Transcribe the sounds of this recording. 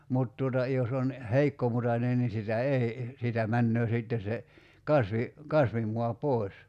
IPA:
mut tuotɑ jos on heikːomutɑnen ni sitæ ei siːtæ mænːøː siˑtːe se kɑsʋi kɑsʋimuɑ poˑi̞s

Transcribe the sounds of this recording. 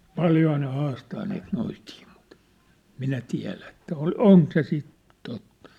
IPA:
pɑljohɑː ne hɑːstɑː niːt noitiː mut minæ tiæ̝læ ĕtˑæ ol oŋk se sit totːɑ̥

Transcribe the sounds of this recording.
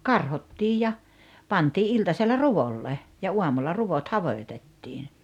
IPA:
kɑrhotːiːj jɑ pɑntiː ʔiltɑselːɑ ruʋolːe jɑ uɑmulːɑ ruʋot hɑʋoĭtetːiːn̞

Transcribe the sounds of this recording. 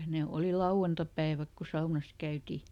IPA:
ne oˑli lɑuw̆ɑntɑpæiʋæk ku sɑunɑs kæyti

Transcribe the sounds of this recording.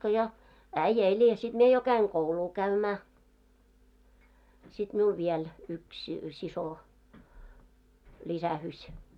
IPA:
ko jo æĭjːæ̆ elʲ jɑ sit mie jo kæiŋ kouluː kæymæː sit miul ʋiel yks siso lʲisæhysʲ

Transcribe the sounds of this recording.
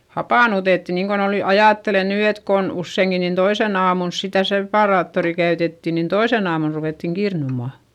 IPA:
hɑpɑˑnutetːi niːŋkon ol ny ɑjɑˑtːele nyː et kon usːeiŋki nin toisen ɑːmuls sitæ sepɑrɑːtːori kæytetːi nin toisen ɑːmun ruʋeˑtːiŋ kirnumɑ

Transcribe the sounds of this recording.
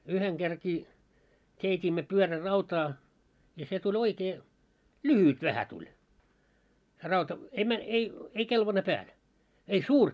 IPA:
yheŋ ɡ̊erkiː keitʲiːmːø pyørærɑutɑː jɑ se tulʲ oikeː lyhyt ʋæhæ tulʲ se rɑutɑ ei mæ ei ei kelʋɑne pæːl ei suːr

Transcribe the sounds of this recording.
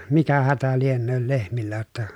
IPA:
mikæ hætæ lienːøːl lehmilːæ jotːɑ

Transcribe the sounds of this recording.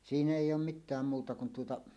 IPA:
siːnæ eˑijˑ oːm mitˑæːm muːtɑ kun tuotɑ

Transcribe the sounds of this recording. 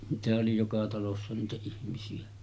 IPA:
niːtæhæʔ ʔoli jokɑ tɑlosːɑ niːtæ ihmisiæ

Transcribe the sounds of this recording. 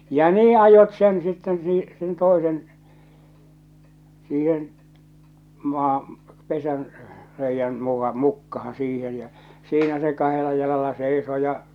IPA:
jɑ niː ɑjot sen sitːen siː sen toˑesen siːhen mɑː pesæn reijːæn mukɑ mukːɑhɑ̃ː siːhen̞ jæ siːnæ se kɑhelɑ jɑlɑlɑ seisoː jɑ

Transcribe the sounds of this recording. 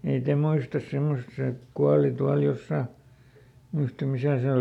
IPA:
ei te muistɑs semːos se kuɑli tuɑl josːɑˑ muistɑm̆ misæˑ se ol

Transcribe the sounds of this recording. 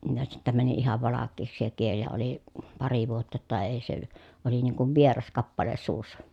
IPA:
jɑ sitːæ mæni ihɑʋ ʋɑlɑkːeːksi se kiel jɑ oli pɑri ʋuotːɑ tːɑ eˑi se oli niːŋ kuʋ ʋierɑs kɑpːɑle suːsːɑ

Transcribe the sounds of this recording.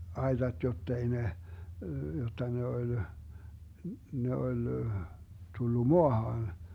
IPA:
ɑetɑt jotːei ne jotːɑ ne olʲ ne olʲ tulːu moɑhɑːn

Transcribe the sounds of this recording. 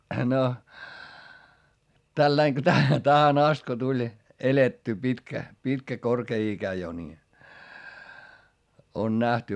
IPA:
no tælːɑiŋ ko tæ tæhæn ɑst ko tulʲ eletːyː pitkæ pitkæ korkeː ikæ jo ni on næhty

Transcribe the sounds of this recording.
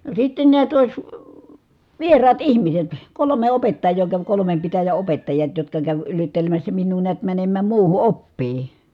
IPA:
no sitːen niæt oˑi̯s ʋierɑːt ihmiset kolome opetːɑjˑoː kæʋ kolomem pitæjæ opetːɑjɑt jotkɑ kæʋ yritːelemæsːæ minːuː niæt mænemːæːm muːhu opːiː

